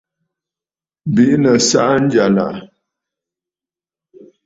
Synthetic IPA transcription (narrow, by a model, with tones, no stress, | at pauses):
bi˦ʔnə˨sa˦ʔn̩˦d͡ʒa˨la̰˨ʔ